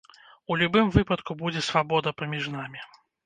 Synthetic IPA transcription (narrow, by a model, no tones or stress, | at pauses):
ulʲubɨmvɨpɐt̪kubud͡zʲɛsvabɔd̪ɐpɐmʲiʐnamʲi